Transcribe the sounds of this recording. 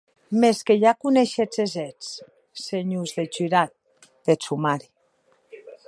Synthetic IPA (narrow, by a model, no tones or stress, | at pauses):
meskeʎakuneʃet͡sezet͡s | seɲuzðet͡ʃyɾat̪̚ | d̪̥et͡sumaɾi